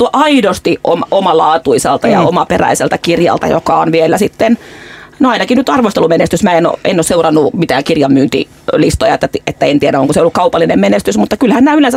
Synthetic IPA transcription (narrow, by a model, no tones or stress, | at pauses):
t̪uɑʔɑidost̪iʔʔomomɑlɑːt̪uiselt̪ɑjɑ̰omɑperæ̰iselt̪ækirjɑ̰lt̪ɑ̰jo̰kɑonʋielːæsit̪ːennoɑinɑkinyt̪ɑrʋost̪elumenest̪ysmæːeno̰ḛnːoːseurɑnːumit̪æːkirjɑmmyːnt̪ḭ | list̪ojɑet̪ːæt̪iet̪ːæent̪ieɾæoŋkuseiolːukɑupɑlːinemmenest̪ysmut̪ːɑkylhænnæːylensæ